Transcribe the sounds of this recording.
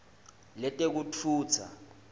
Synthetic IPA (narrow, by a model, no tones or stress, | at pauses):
lɛtʼek̬ut͡fʰuːt͡sʰa̰